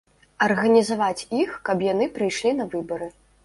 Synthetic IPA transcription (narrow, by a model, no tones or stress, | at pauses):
ɐrɣɐnʲizavat͡sʲixkɐbjanɨpɾɨjʂlʲinɐvɨbɐɾɨ